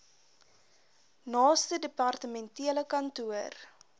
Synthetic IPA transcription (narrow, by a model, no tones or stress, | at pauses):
nɑːstədəpɐrtəmɛntiələkɐntuər